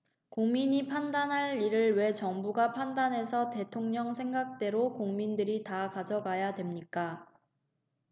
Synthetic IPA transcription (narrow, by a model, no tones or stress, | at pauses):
koŋmiɲipʰandanɦaɭiɾɯɭwe̞t͡ɕʌŋbuɡapʰandanɦe̞sʰʌte̞tʰoŋɲʌŋsʰe̞ŋɡak̚t͈e̞ɾokoŋmindɯɾitakad͡ʑʌɡajadwe̞mɲik͈a